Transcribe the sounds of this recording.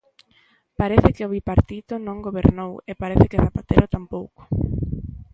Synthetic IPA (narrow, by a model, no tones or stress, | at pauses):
paɾeθɪkɪoβipaɾt̪it̪ʊnõŋɡoβeɾnowepaɾeθɪkɪθapat̪eɾʊt̪ampowko̥